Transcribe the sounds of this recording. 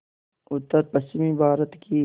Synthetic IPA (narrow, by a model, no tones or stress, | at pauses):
ʊt̪ːɐɾpɐɕimibaːɾɐt̪ki